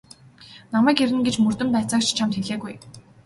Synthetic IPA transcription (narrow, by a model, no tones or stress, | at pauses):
namæːkeɾɘ̆nɡet͡ɕmɵr̥t̪ɵ̆mt̪at͡saːkt͡ɕt͡ɕʰamt̪xeɮeːɣuj